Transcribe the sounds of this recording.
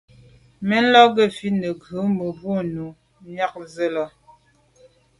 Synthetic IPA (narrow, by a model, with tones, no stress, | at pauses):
mɛ˦n̩˦lɔ˦ɡə˦˨fi˦nə˨ɡʉ˨˦mə˨bwo˦nu˨ | ɲja˦k̚zə˦lɔ˦